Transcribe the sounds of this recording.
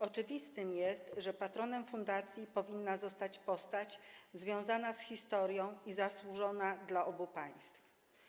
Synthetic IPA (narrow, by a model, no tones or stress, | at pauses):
ɔt͡ʂɘvʲist̪ɘmjɛst̪ʐɛpat̪ɾɔnɛmfund̪at̪sʲjipɔvʲinːazɔst̪at͡ɕpɔst̪at͡ɕzvʲjɔ̃w̃zanasxʲist̪ɔɾjɔ̃w̃izaswuʐɔnad̪laʔɔbupaj̃st̪f